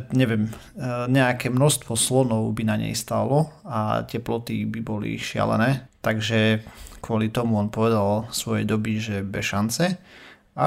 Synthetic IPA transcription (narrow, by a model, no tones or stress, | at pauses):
ɲɛʋɪɛm | ɲɛakɛːmnɔʃst̪ʋɔslɔnɔʊbinaɲɛ̰jst̪a̰ːlɔa̰cɛplɔt̪ibibɔlḭʃɪa̰lɛ̰nɛːt̪aɡʒɛkʊɔlit̪ɔmuɔnpɔʋɛd̪alsʋɔjɛjd̪ɔbiʒɛbɛʃant͡sɛ | a